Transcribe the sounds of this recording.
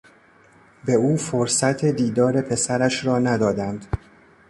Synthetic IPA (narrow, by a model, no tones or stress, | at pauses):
be̞uːfoɾsæt̪ʰe̞d̪iːd̪ɒːɾe̞pʰe̞sæɾæʃɾɒːnæd̪ɒːd̪ænd̪̥